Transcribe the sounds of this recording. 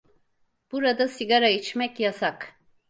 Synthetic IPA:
b̥uɾad̪asiɡaɾait͡ʃmɛcjasak

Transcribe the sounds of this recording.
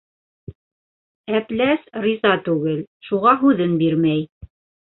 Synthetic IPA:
æplæsrʲizɑt̪ʉɡɘlʃuʁɑɦʉðɘnbiɾmæj

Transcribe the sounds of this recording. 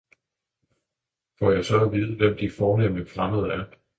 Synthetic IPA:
fɒjɑ̈ɪsɒ̽æʋiːð̞ˠəʋem̰d̥ifɒːnemnəfʁamð̞̩ˠæɐ

